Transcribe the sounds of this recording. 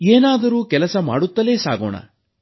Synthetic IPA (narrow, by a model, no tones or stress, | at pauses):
eːnaːd̪ɐɾuːkɛlɐsɐma̰ːɽut̪ːɐle̞ːsa̰ːɡo̰ːɳɐ̰